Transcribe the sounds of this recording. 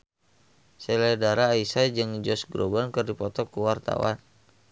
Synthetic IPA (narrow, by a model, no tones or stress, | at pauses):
sɛlɛdaɾaːisad͡ʒɨŋd͡ʒɔsɡɾobankɨrdipɔt̪ɔkuwart̪a̰wa̰n